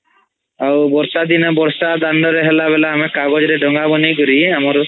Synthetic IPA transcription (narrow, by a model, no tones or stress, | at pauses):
awbɔɾsad̪inɔbɔɾsad̪aɳɖɔɾeɦelaβelaːmekaɡɔd͡ʒɔɾeɖɔŋɡabɔnikɔɾiamɔɾ